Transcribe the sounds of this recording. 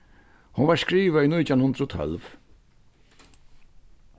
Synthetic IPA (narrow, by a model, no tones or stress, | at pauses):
hʊnvaɹskɾiːvainʊjt̪ʰanhʊnd̪ɾɔt̪ʰɔ̰lv